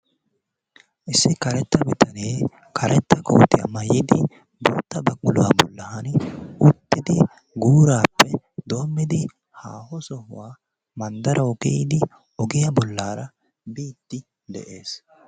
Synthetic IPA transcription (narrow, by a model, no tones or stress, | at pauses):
ʔɪsːɪkɐɾɛt̪ːɐbɪt̪ʰɐneː | kʰɐɾʔɛt̪ːɐkʰo̰ːt̪ɪɐ̰mɐjɪd̪ɪ | bo̰ːt̪ːɐbɐkʼːʊlʊwɐbɔ̰lːɐhɐnʊt̪ːɪd̪ɪ | ɡuːɾaːpːɛ | d̪o̞ːmːɪd̪ɪ | haːhɔsɔhʊwaː | mɐnd̪ɐɾʔɐɔkɛjɪd̪ɪ | ɔɡɪjɐbɔlːaːɾɐ | biːt̪ːɪ | d̪ɛ̰ʔeːs